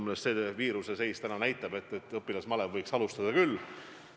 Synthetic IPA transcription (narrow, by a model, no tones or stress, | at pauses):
munesse̞ːviːɾuse̞se̞jst̪ænɑnæjt̪ːˑɑbe̞t̪ːˑe̞t̪ːˑɤpːˑilɑsmɑlevvɤjksɑlust̪ɑd̪̥ɑkylː